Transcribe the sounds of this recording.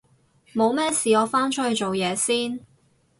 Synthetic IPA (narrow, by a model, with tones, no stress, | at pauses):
mo˨˧wmɛː˥siː˨ɔː˨˧faː˥nt͡ʃ̚ʰhɵ˧jt͡ʃo˨wjɛː˨˧siː˥n